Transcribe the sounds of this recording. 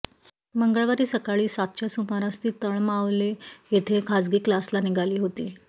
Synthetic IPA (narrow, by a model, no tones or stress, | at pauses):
məŋɡəɭʋaɾiːsəkaɭiːsat̪̚t͡ɕjasumaɾãst̪iːt̪əɳmaʋlejet̪ʰekʰad͡zɡiːklaslaniɡʱaliːɦot̪iː